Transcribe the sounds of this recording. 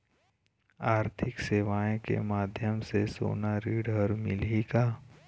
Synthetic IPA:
aːɾt̪ʰɪkseːʋaːẽkḛmaːd̪ʱjəmseso̰ːnaɾiːɖəɾmɪlikaː

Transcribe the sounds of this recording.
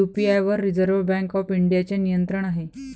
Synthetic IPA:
upiajʋəɾːid͡zəɾʋbæ̃ŋkɔfiɳɖijat͡ɕenijənt̪ɾəɳ̃aɦe

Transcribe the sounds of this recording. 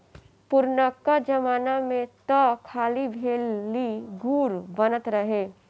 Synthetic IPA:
pʊɾnəkːad͡ʒɐmaːnamẽt̪əkʰaːlibʱeːlːiɡuːɾbənət̪ɾəɦeː

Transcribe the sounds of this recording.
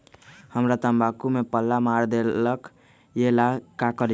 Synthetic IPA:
həmɾat̪əmbakumepəlːamaɾd̪elək | jelakakəɾ

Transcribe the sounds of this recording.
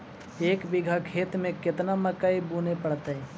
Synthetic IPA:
eːkbɪɡʱakʰeːt̪mẽkɪt̪naməkəibunepəɽt̪ːɛ̃

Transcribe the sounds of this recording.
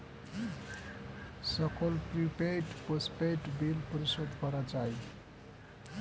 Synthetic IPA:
sʌkʰolpɾipeʈpəspeʈbilpəɾisod̪kʌɾad͡ʒaj

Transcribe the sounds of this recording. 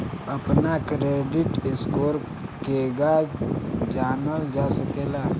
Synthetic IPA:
əpnakɾeːɖɪʈɪskoːɾ | keɡa | d͡ʒaːnəld͡ʒaːsəkeːla

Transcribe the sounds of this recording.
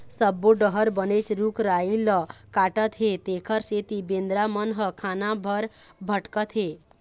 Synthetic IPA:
səbːoɖəɦəɾbənet͡ʃɾukʰɾailəkaʈət̪ɦet̪ekʰəɾset̪ibend̪ɾamənɦəkʰanabʱəɾ | bʱəʈkət̪ɦe

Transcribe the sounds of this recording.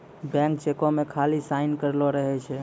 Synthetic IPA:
bɛ̃ŋk̚t͡ʃekomekʰalisaɪnkəɾloɾəɦɛt͡ʃʰɛ

